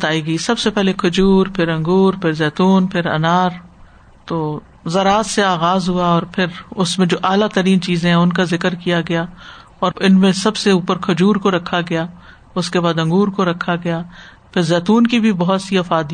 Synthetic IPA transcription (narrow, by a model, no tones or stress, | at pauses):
t̪aːiɡɐiːsɐbsepɛɦlekʰʊd͡ʒuːɾpʰɪɾɐ̃ŋɡuːɾpʰɪɾzɛːt̪uːnpʰɪɾɐ̰naːɾ | t̪oː | zɐɾaːzseaːɣaːzɦuaɔːɾpʰɪɾʊsmẽd͡ʒoːʔaːlat̪ɐɾiːnt͡ʃiːzẽɦɛ̃ʊnkazɪkəɾkijaɡɐjaː | ɔːɾɪnmẽsɐbseuːpəɾkʰʊd͡ʒuːɾkoɾɐkʰːaɡɐjaː | ʊskebaːd̪ɐ̃ŋɡuːɾkoɾɐkʰaɡɐjaː | pʰɪɾzɛːt̪uːnkibʱibɐɦʊt̪siɐfaːd̪